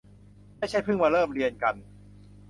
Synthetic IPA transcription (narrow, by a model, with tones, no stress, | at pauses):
maː˥˩jt͡ɕʰa˥˩jpʰɯ˥˩ŋmaː˧ɾɤː˥˩mɾi˧ənka˧n